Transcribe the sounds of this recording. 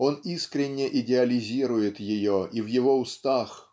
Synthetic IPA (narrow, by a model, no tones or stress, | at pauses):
o̞niskɾʲɪnʲːɪʔɪdʲɪɐlʲɪzʲiɾʊjɪt̪jɪjoivjɪvo̞ʊst̪ax